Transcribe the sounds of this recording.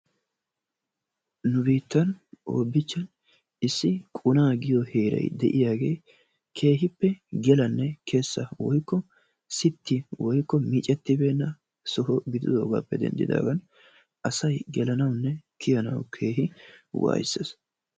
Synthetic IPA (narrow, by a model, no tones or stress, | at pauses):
nʊbiːt̪ːɐnʔo̰ːbːɪt͡ʃːɐn | ɪsːɪkʼʊnaːɡɪjɔhe̞ːɾɐ̰jd̪ɛʔɪjaːɡe̞̰ː | kʰe̞ːɦɪpːɛɡɛlɐnːɛkʰe̞ːsːɐwɔjkːɔ | sɪt̪ːɪwɔjkːɔmiːt͡ʃʼɛt̪ːɪbe̞ːnːɐ | sɔɦɔɡɪd̪ɪd̪o̞ːɡa̰ːpːɛd̪ɛ̰nd̪ɪ̰d̪a̰ːɡɐn | ʔɐsɐjɡɛlɐnɐwnːɛkʰɪjɐnɐ̰wkʰe̞ːɦɪwa̰ːjɪsːḛs